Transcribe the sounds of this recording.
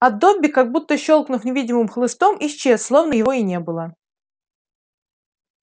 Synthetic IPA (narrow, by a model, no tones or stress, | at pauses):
ɐd̪ːobʲːɪkaɡ̚but̪ːəɕːolˠknʊfnʲɪvʲidʲɪmɨmxlˠɨst̪omʔist͡ɕesslˠovnəjɪvoinʲe̞bɨlˠə